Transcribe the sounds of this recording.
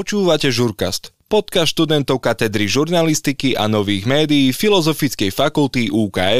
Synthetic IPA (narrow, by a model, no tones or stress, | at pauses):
ɔt͡ʃuːʋacɛʒuɾka̰st̪ | pɔt̪kasʃt̪ud̪ɛnt̪ɔʊkat̪ɛd̪ɾiʒuɾnalist̪ikiʔa̰nɔʋiːɣmɛːd̪ijiːfilɔzɔfit͡skɛjfakult̪iʔuːka̰ːɛ